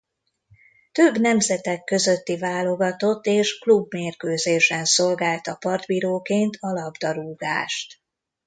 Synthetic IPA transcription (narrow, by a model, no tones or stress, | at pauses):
t̪øbnɛmzɛt̪ɛkːø̞zø̞t̪ːivaːlo̞ɡɒt̪o̞t̪ːeːʃklubmeːrkøːzeːʃɛnso̞lɡaːlt̪ɒpɒrd̪biːɾoːkeːnt̪ʰɒlɒbd̪ɒɾuːɡa̰ːʃt̪